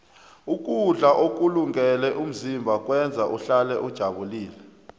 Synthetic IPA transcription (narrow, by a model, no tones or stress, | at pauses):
ukʼuɮaʔok̬ʼuluŋɡɛlɛʔum̩zimbʱak̬ʼwɛnd͡zʱaʔuɬalɛʔud̥ʒ̥ʱaɓuliːlɛ